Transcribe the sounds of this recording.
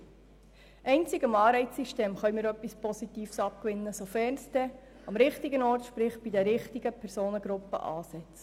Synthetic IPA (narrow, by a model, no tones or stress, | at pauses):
ʔɛɪnt͡sɪɡəmɑːɾɛɪt͡sːiʃteːmχœʏɥmɪːɾœpːispɔsit̪iːfsɑpkʋɪnːəsofɛːɾnsd̥̪ɛ | ɑmɾɪχt̪iɡənɔːɾtʃpɾɪχb̥id̪ɛɾɪχt̪iɡəpʰɛɾsoːnəɡɾʊpːə̰ʔɑːsɛt͡s